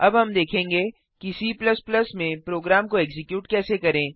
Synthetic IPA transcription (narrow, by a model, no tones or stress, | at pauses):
ɐbɦɐmd̪eːkʰẽːŋɡeː | kisiːplɐsplɐsmẽpɾoːɡɾaːmkoɛːkzɪkjuːʈkɛːsekɐɾẽː